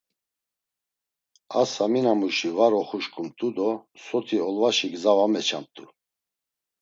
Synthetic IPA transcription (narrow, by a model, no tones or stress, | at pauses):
asaminamuʃivaɾɔχuʃkʼumt̪ʼud̪ɔsɔt̪ʰiɔlvaʃiɡzavamɛt͡ʃʰa̰mt̪ʼu